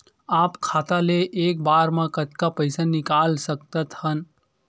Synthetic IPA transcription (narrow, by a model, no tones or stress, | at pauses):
aːpkʰaːt̪aleʔeːk̚baːɾmãkət̪kapəɪsanɪkaːlsək̚t̪ət̪hən